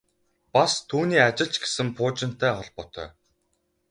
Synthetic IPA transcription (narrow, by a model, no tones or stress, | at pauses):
past̪ʰuːniːat͡ɕɪ̆ɬt͡ɕɡe̥sɘ̆mpʰʊːt͡ɕɪ̆n̥t̪æːχɔɮpɔt̪ʰœ̰ː